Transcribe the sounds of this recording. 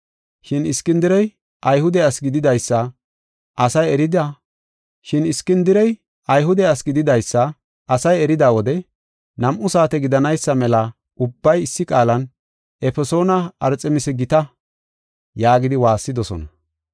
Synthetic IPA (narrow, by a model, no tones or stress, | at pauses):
ʃɪnɪskːɪnd̪ɪɾɛj | ʔɐjhʊd̪ɛɐsɡɪd̪ɪd̪ɐjsːɐ | ʔɐsɐjɛɾɪd̪a | ʃɪnɪskːɪnd̪ɪɾɛj | ɐjɦʊd̪ɛɐsɡɪd̪ɪd̪ɐjsːɐ | ʔɐsɐjɛɾɪd̪aːwɔd̪ɛ | nɐmʔʊsaːt̪ɛɡɪd̪ɐnɐjsːɐmɛlɐ | ʔʊbːɐjɪsːɪkʼaːlɐn | ʔɛfɛso̞ːnɐɐɾt͡sʼɛmɪsɛɡɪt̪ɐ | jaːɡɪd̪ɪwaːsːɪd̪ɔsɔ̰nɐ